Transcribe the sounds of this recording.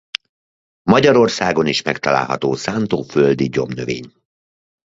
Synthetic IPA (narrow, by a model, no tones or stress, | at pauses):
mɒɟɒɾo̞rsaːɡo̞niʃmɛkt̪ɒla̰ːlɦɒ̰t̪oːsaːnt̪oːføld̪iɟo̞mnøveːɲ